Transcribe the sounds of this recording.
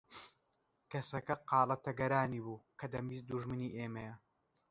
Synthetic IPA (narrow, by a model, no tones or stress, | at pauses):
kɐsɐkɐqɑːlˠɐt̪ɐɡɐɾaːniːbuːkʰɐd̪ɐmiːzd̪uʒmɨniːʔeːmɐjɐ